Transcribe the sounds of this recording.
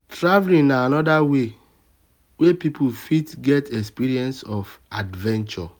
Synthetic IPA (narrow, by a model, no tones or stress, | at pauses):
tɹavlĩŋnaanɔdawe | wepipʰufitɡɛtɛkspiɾiɛ̃nsɔfadvɛ̃nt͡ʃɔ